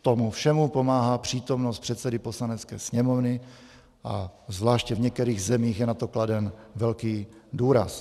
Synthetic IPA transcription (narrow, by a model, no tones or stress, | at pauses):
t̪omufʃɛmupo̞maːɦaːpr̝̥iːt̪o̞mnost̪̚pr̥ɛt̪sɛdɪposlanɛt͡skɛːsɲɛmovnɪ | ʔazvlaːʃcɛvɲɛk̚t̪ɛɾiːɣzɛmiːxjɛnat̪okladɛnvɛlkiːduːɾa̰s